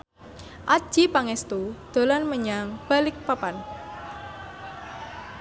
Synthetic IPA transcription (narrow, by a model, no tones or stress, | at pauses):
ʔḁʒ̥ipaŋɛst̪ud̪̥o̤lanməɲaŋb̥a̤lɪk̚papan